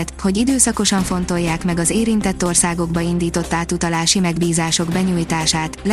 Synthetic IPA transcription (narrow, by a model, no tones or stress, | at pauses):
t̪ho̞ɟid̪øːsɒko̞ʃɒɱfo̞nt̪o̞jːaːkmɛɡɒzeːɾint̪ɛt̪ːo̞rsaːɡo̞ɡbɒind̪iːt̪o̞t̪ːaːt̪ut̪ɒlaːʃimɛɡbiːzaːʃo̞ɡbɛɲuːjt̪aːʃaːt̪l